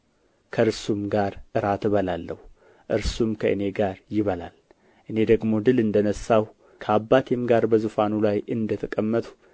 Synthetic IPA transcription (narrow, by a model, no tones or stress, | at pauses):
kʰəɾsumɡaɾʔɨɾat̪βəlalːəhu | ʔɨɾsumkʰəʔɨne̞ɡaɾjɪβəla̰l | ʔɨne̞d̪əɡmo̞d̪ɨlɨnd̪ənəsːaw | kʰəabːat̪ʰemɡaɾbəzufanulajɨnd̪ət̪ʰəkʼəmːət̪ʰʼu̥